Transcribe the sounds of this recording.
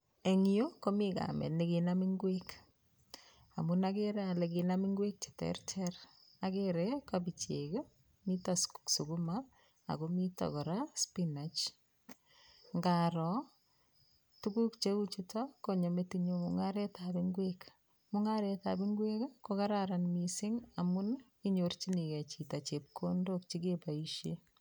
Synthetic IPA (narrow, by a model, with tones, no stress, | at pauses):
e˨ŋi˦jo˦ko˦mika̰˨mɛ̰˨tne˨ki˨nami˦ŋɡwek | a˨mu˨na˦ke˦ɾe˦a˨le˨ki˨na˦mi˦ŋɡwe˦k̚t͡ʃe̥˨tɛ̰˦rtʰɛr | a˨keɾeka˦bi˨t͡ʃe˨ɡe˦ | mi˦ta˨sku̥ksu˨ɡu˦ma | a̰˨ko˦mi˦ta̰˨kɔ˨ɾa˦spi˦na˨t͡ʃ | ŋɡaɾɔ | tuku˦kt͡ʃe˦ut͡ʃitakoɲo˨metiɲomṵŋaɾe˦tabiŋɡwek | muŋaɾeta̰biŋɡwekkokaɾaɾanmisɪ˦ŋamu˦n | iɲort͡ʃi˦ni˨ka˨t͡ʃita˨t͡ʃep̚kʰondok̚t͡ʃi˦kepaiʃje